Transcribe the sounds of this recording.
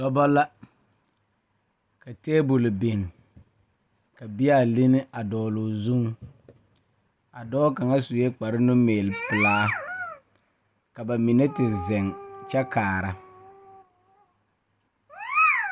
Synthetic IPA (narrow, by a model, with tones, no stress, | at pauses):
dɔ˦ba˦la˦ | ka˨teː˦bʊ˨lbe˨ŋ | ka˨bɪ˦a˦˨li˦nɪ˦ʔa˨dɔː˨lʊ˨zu˦ŋ | a˨dɔː˦ka˨ŋa˦su˨jɛ˦k͡pa˨ɾɪ˦nʊ˦meː˨lpɪ˨laː˦ | ka˨ba˨mi˨ne˦tɪ˨zɛ˨ŋt͡ʃa˦kaː˨ɾa˨